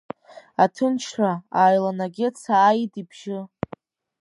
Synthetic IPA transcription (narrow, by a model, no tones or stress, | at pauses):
atʰɨnt͡ʃʰħaaːjlanaɡʲɪt͡sʰaːjidibʒɪ